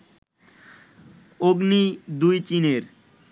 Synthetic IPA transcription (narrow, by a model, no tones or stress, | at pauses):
oɡnid̪ujt͡ɕineɾ